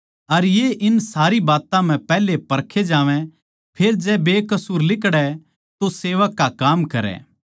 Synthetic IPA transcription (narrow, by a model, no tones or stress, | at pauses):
ɐɾjeʔɪnsaːɾibaːt̪ãm̤ɛ̃pɛːlepɐɾkʰed͡ʒaːʋɛ̃ | pʰeːɾd͡ʒɛbeːkɐsuːɾlɪkɽɛ | t̪oseːʋəkːakaːmkɐɾɛ̰ː